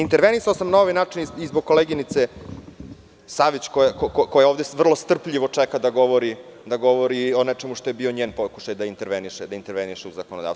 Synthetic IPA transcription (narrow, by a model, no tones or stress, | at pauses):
int̪eɾʋenisaosamnao̞ʋinaːt͡ʂinizboɡ̚ko̞leɡinit̪se | saʋit͡ɕkojekokokojeoːvd̪eʋr̩lˠo̞st̪r̩pʎiʋo̞t͡ʂɛkad̪aɡo̞ʋoɾid̪aɡo̞ʋoɾio̞net͡ʂemuʃt̪ojebioɲeːnpoku̥ʃajd̪aint̪e̞ɾʋeniʃed̪aint̪eɾʋeniʃeuzakonod̪a̰s